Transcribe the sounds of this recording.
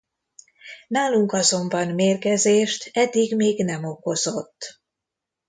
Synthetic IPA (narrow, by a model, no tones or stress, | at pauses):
naːluŋkɒzo̞mbɒnmeːrkɛzeːʃt̪ɛd̪ːiɡmeːɡnɛmo̞ko̞zo̞t̪ː